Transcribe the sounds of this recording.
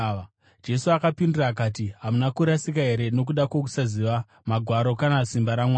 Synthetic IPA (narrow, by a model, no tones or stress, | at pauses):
d͡ʒe̞suakapindiraːk̬aːtiɦamunakuɾasikaɦe̞ɾe̞no̞k̬uɗakwo̞k̬u̥saziʋa | maɡʱwaɾo̞kanasimbaɾamwaː